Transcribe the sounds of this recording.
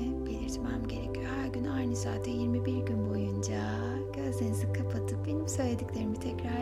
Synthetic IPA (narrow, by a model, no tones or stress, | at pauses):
belʲiɾt̪ʰmamɟe̞ɾecʰyjohæɾɟynajnɛsaːt̪ʰɛjiɾmibiɾɟynbo̞jund͡ʒa | ɟ̥ød̪enizikʰapʰat̪ʰɯkbe̞nimsø̞jlʲe̞d̪iclʲe̞ɾimit̪ʰɛcɾa